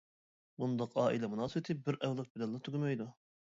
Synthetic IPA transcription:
bund̪ɑqɑːʔilɛmunɑːsɨwɪt̪ʰɪbɪɾʔɛwlˠɨk̚bɪlɛlˠːɑt̪ʰyɡʲymɛjd̪u

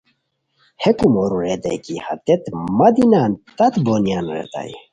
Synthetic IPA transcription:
hɛkumɔɾuɾɛd̪ɛ̰kiha̰t̪ɛt̪mad̪inant̪at̪bonjanɾɛ̰t̪a̰j

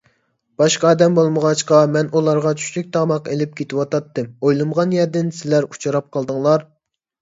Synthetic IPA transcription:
b̥ɑʃqɑːd̪ɛmbolˠməʁɑt͡ʃqɑmɛnulˠɑɾʁɑt͡ʃʰy̥ʃlyk̚ʲt̪ʰɑmɑqelɪp̚kʲʰet̪ʰɪwɑt̪ɑt̪ːɨmojlˠɨmʁɑnjɛɾd̪ɪnsɪlæɾut͡ʃʰɑɾɑp̚qʰɑlˠd̪ɨŋlˠɑɾ

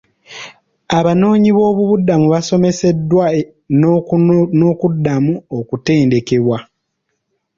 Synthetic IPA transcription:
aβano̞ːɲiβo̞ːβuβudamuβaso̞me̞se̞dːwa | noːkudːamuokute̞ːnde̞ke̞βwa

